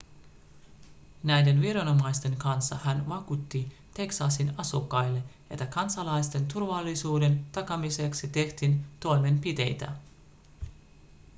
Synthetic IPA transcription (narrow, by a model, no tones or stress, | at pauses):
næjde̞nʋiɾɑno̞mɑjst̪e̞ŋkɑnsːɑhænʋɑkut̪ːi | t̪e̞ksɑsinɑsukːɑjlːe̞ʔet̪ːækɑnsɑlɑjst̪e̞nt̪urʋɑlːisuːde̞nt̪ɑkɑmise̞ksit̪e̞ht̪int̪o̞jme̞mpit̪e̞̰jt̪æ̰